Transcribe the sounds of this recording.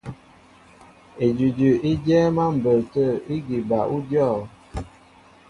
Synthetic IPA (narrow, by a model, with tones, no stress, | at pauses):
e˨d͡ʒi˨d͡ʒʉ˨i˦d͡ʒɛː˦ma˦m̩˨bə˨ltə˦˨i˦ɡi˨ba˨ʔu˦djɔ˦˨